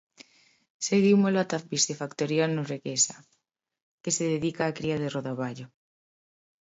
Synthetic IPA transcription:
seɣimolat̪afbisefakt̪oɾjanureɣesa | keseðeðikaːkɾiaðeroðaβaʎo

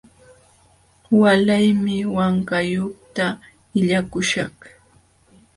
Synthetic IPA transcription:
walajmɪwaŋkajoχt̪a | ɪʎakʊʃɑχ

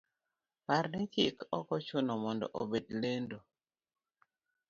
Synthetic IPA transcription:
paɾdɛkikɔkɔt͡ʃʊnɔmɔndɔ̰ʔo̰bedlendo

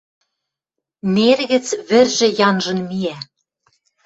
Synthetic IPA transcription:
merɣɘ̆t͡sβɘ̆rʒɘ̆jɑnʒɤ̆nmiæ

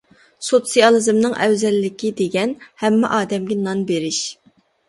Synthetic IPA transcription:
sot̪sijɑlˠɨzɨmnɨŋʔɛ̰wzɛlːɪkʲid̪eɡʲɛnhɛmːɛ̰ʔɑːd̪ɛmɡʲɛnɑnbeɾɪʃ

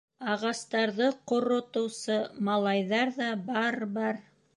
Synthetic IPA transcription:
ɑʁɑst̪ɑɾðɤqŏɾŏt̪ŏwsɤmɑlˠɑjðɑɾðɑbɑɾbɑɾ

